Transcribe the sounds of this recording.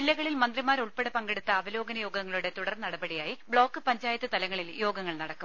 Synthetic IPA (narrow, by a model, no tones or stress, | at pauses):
ilːɐɣɐɭilmɐnd̪rimaːɾuɭpeɽepɐŋɡeɽut̪ːɐːʋɐlo̞ːɡɐnɐjo̞ːɡɐŋːɐɭuɽe̞t̪uɽɐrnnɐɽɐbɐɽijaːjibɭo̞ːkːɨpɐɲd͡ʑaːjɐt̪ːɨt̪ɐlɐŋːɐɭiljo̞ːɡɐŋːɐɭnɐɽɐkːum